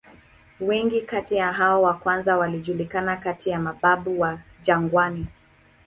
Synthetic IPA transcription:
wɛŋɡikatijaɦaɔwakwanzawaliʄulikanakatijamaɓaɓuwaʄaŋɡwani

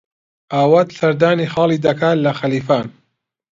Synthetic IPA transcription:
ʔaːwat̪sɐɾd̪aːniːxɑːlˠiːd̪ɐkʰaːlɐxɐliːfaːn

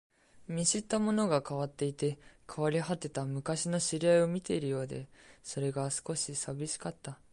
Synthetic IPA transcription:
mʲiɕit̪ːamo̞no̞ɡakaβat̪ːe̞it̪e̞kʰaβaɾʲiɦat̪ːe̞t̪amɯ̟kaɕino̞ɕiɾʲiaio̞mʲit̪e̞iɾɯ̟jo̞ːd̪e̞so̞ɾe̞ɡasɨ̥ko̞ɕisabʲiɕi̥kat̪ːa

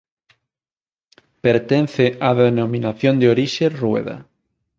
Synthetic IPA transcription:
peɾt̪enθeaðenomĩnaθjond̪eoɾiʃerwḛða̰

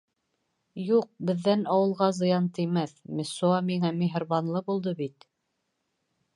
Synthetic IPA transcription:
juq̚bɘ̆ðːænɑwɤ̆lˠʁɑzɤ̆jɑnt̪ɤ̆jmæθmɘ̆suɑmiŋæmiɦ̆ɾβɑnlˠɤbulˠd̪ɤbit̪

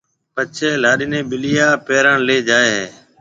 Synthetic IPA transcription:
pət͡ʃʰeːlaːɗɪːnẽːɓɪlɪjaːpeːɾaːɳleːd͡ʒaːeːɦeː

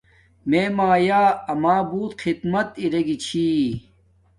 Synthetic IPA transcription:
meːmaːjaːɐmaːbuːt̪xʰid̪mɐt̪iɾɐɡit͡ɕʰiː

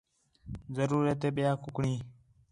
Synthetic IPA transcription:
zəɾuːɾet̪eːɓɪjaːkʊkɳiː

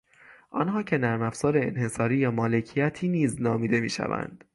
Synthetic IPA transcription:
ʔɒ̰nɦɒːcʰe̞næɾmæfz̥ɒːɾe̞ːnhe̞sɒːɾiːjɒːmɒːle̞cʰijæt̪ʰiːniːznɒːmiːd̪e̞miːʃæ̰væ̰nd̪̥

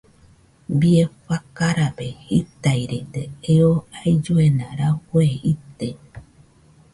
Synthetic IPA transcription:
biefakaɾapehit̪ajɾet̪eeoajd͡ʒoenaɾaweit̪e

